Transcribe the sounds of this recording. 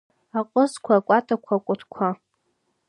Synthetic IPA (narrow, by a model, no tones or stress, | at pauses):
aqʼəzkʷʰakʷʼatʼakʷʰakʷʼʊtʰkʷʰa